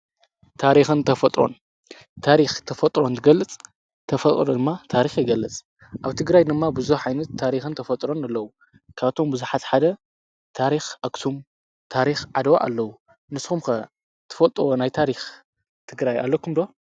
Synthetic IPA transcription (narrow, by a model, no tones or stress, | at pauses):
t̪ʰaɾixɨnt̪ʰɐfɐt̪ʼɾo̞̰n | t̪ʰaɾixt̪ʰɐfɐt̪ʼɾo̞nt̪ʰɨɡɐlːɨt͡sʼ | t̪ʰɐfɐt̪ʼɾod̪ɨmːat̪ʰaɾixjɪɡɐlːɨt͡sʼ | ʔaβt̪ʰɨɡɾajd̪ɨmːabɨzuħajnɐt̪ʰːaɾixɨnt̪ʰɐfɐt̪ʼɾo̞nɐlːɐwu | kʰaβt̪ʰo̞mbɨzuħat̪ħad̪ɐ | t̪ʰaɾixʔɐkt̪ʰum | t̪ʰaɾixʕad̪ɐwa̰ʔa̰lːɐwu | nɨsxumxɐ | t̪ʰɨ̥fɐt̪ʼɾonajt̪ʰaɾix | t̪ʰɨɡɾaja̰lːɐkʰumd̪o̞